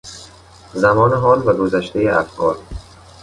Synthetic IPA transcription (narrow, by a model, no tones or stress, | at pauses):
zæmɒːneɦɒːlvæɡozæʃt̪ejeʔæ̰fkʰɒːɾ